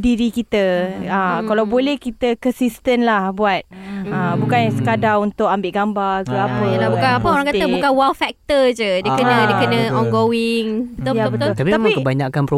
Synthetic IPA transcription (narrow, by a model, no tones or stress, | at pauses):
diɾikit̪əakalawbolɛhkit̪əkənsist̪ənlahbuat̪̚abukansəkadaŋunt̪ʊk̚ambɪʔɡambarkəapəlabukanapəoɾaŋkat̪əbukanwalfɛk̚t̪əd͡ʒədəkənə̃diəkənə̃ɔŋɡowiŋbəjabət̪ʊlt̪apiamaŋkəbaɲakanpɾo